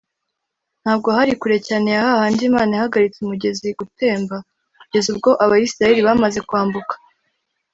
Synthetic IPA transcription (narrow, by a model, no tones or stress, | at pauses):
n̥haːb̚ɡo̞haɾikuɾe̞caːne̞jahahaːndimaːnahaɡaɾit͡seumuɟe̞ziɡute̞ːmba | kuɟe̞zub̚ɡo̞ʔaβajisɾaje̞ɾiβamaze̞kwaːmbukḁ